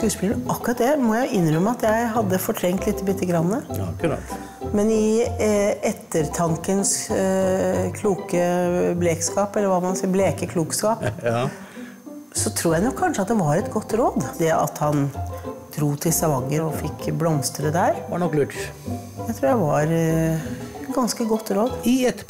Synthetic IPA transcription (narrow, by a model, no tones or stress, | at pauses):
skʉːspɪləɳʔɑkːɾɑt̪̚d̪ɛmɔjæɪɪnːɾœmːəɑt̪jæɪɦɑd̪ːəfɔʈʰɾɛŋkt̪lɪt̪ʰːəbɪt̪ːəɡɾɑnːəkɾ̰ | mɛnɪ | ɛt̪ːəɾt̪ʰɑŋkəns | kʰluːkəbleːkskɑːpɛlːəɾʋɑːmɑnsiːbleːkəkʰluːkskɑːp | sɔt̪ʰɾuːɾjæɪnɔkʰːɑnʂəɑt̪̚d̪ɛʋɑɾɛt̪ɡɔt̪ːɾoːd̪d̪ɛʔɑ̰t̪hɑnd̪̥ɾuːt̪ʰɪlsɑʋɑŋːəɾɔfɪkːblɔmst̪əɾəd̪æɾnɔkːlʉːʈ | d̪æɪt̪ʰɾuːɾjæʋɑɾ | t̪ɡɑnskəɡɔt̪ːɾoːd̪ɛt̪ː